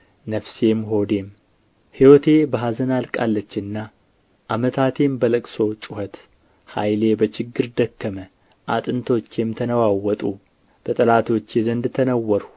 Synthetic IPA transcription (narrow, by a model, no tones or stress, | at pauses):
nəfse̞mɦo̞d̪e̞m | hiwɔt̪ʰe̞bəɦazənalkʼa̰lːət͡ʃːɪnːa | ʔamət̪ʰat̪ʰe̞mbələkʼso̞t͡ʃʼʊhət̪ | hajle̞bət͡ʃɪɡːɨɾd̪əkːəmə | ʔat̪ʼɨnt̪ʰo̞t͡ʃːɛmt̪ʰənəwawːɔt̪ʼu | b̥ət̪ʼəlat̪ʰo̞t͡ʃːjɛzənd̪t̪ʰənəwːɔɾu